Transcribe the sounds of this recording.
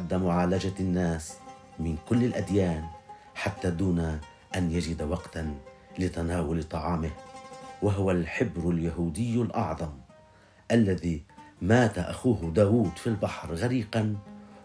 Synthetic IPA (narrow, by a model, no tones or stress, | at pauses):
d̪ːamʊʕaːlad͡ʒanːaːs | mɪnkʊlːɪlʔad̪jaːn | ħat̪ːad̪uːna | ʔanjad͡ʒɪd̪awɑqt̪an | lɪt̪anaːwʊlt̪ˤɑʕɑːmɪhwaɦʊwalħɪbɾʊljaɦuːd̪ɪjːalʔɑ̰ʕðˤɑm | ʔalːaðimaːt̪aʔaxuːɦd̪aːwuːd̪filbɑħɾɣaɾiːqan